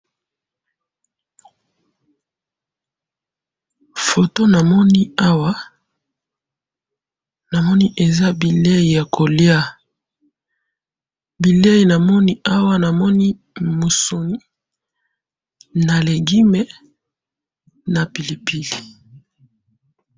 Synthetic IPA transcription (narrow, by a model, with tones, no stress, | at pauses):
fo˨to˦na˨mɔ˦ni˦a˦wa˦ | na˨mɔ˦ni˦ʔe˨za˦bi˨le˦i˨ja˨kʰo˨lja˦ | bi˨le˦ji˨na˨mɔ˦ni˦a˦wa˦na˨mɔ˦ni˦ | mo˨so˨ni˦ | na˨le˨ɡi˦me˦ | na˨pi˨li˨pi˦li˨